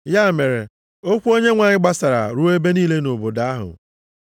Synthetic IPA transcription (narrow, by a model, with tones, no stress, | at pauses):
ja˦˨me˨ɾe˨ | o˦kʷu˦o˦ɲe˦ŋʷa˨ɲɪ˦ɡ͡ba˦sa˨ɾa̰˨ɾu˦e˦be˦niː˦le˦no˨bo˨da˦a˦ɦʊ̰˨